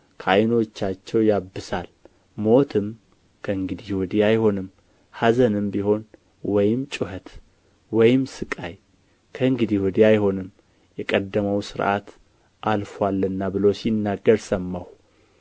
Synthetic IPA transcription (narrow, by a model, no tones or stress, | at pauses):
kʰajno̞t͡ʃːat͡ʃːɛwjabːɨsal | mo̞t̪ʰɨm | kʰəɨŋɡɨd̪iwɔd̪iajho̞nɨm | hazənɨmbiho̞n | wɔjɪmt͡ʃʼuhət̪ | wɔjɪmsɨkʼaj | kʰəɨŋɡɨd̪iwɔd̪iajho̞nɨm | jɛkʼəd̪ːəməwsɨɾʔa̰t̪ | ʔalfwalːɨnːabɨlosinːaɡːəɾsəmːaw